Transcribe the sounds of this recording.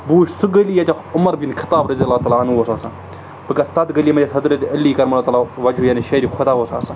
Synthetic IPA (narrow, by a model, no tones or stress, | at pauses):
buːʃsuɡɐliːjɐtʲa | ʊmɐɾbinkʰɪ̥t̪aːbɾɐzijɐlːaːt̪aːlaːɐnuoːsaːsa̰ | bɨkɐst̪ɐt̪ɡɐliːmɐd͡ʒesʰɐd̪ɾɐt̪ɐlːiːkɐɾmɐlːt̪aːlaːʋɐd͡ʒʱujaːniʃɐɾiːkʰʊd̪aːʋoːsa̰ːsa